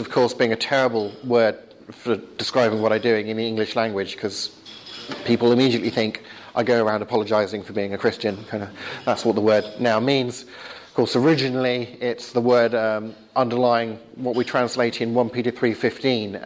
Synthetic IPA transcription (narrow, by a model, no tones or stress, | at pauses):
ʌv̥kʰɔɹsb̥iɪ̃ŋɨtʰɛɹəbəl̩ˠwɜ˞d̥̚ | fə˞d̥ɨskɹaɪbɪ̃ŋwʌɾaɪdʉɪ̃ŋɨ̃nðiɪ̃ŋɡlɨʃlæ̃ŋɡwɨd̥ʒ̥kʰʌz̥ | pʰipl̩ˠɨmiɾiɨʔˡliθɪ̃ŋk | ʔaɪɡoʊəɹãʊ̃ndəpʰɑlˠəd͡ʒaɪzɪ̃ŋfə˞biɪ̃ŋɨkʰɹ̥ɪst͡ʃɨ̃nkʰãɪ̃ndəðætswʌt̪̚ðəwɜ˞dⁿnaʊmĩnz̥ | ʌ̥kʰɔɹsə˞ɪd͡ʒɨnl̩ˠiɪtsðəwɜ˞d | ʌ̃ndə˞laɪɪ̃ŋ | wʌʔ̚witʰɹ̥æ̃nsleɪɾɨ̃nwʌ̃npiɾɨθɹifɪftĩn